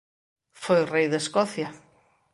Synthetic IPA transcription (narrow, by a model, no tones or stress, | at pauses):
fojrejðeskɔθja